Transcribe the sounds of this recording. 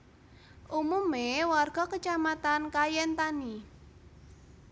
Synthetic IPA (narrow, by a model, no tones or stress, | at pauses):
ʔumumewarɡ̥ɔ̤kət͡ʃamat̪ankajɛnt̪ani